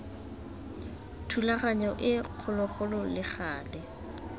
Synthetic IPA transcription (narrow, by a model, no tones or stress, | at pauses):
tʰulaχaɲɔʔɪq͡χʰʊlʊχʊlɔlɪχaːlɛ